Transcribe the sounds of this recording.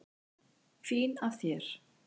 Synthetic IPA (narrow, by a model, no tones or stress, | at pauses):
fiːnavθjɛɾ̥